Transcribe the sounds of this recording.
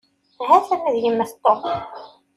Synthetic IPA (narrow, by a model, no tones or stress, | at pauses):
ɦæθæmæðjimːæθt̪ˤːom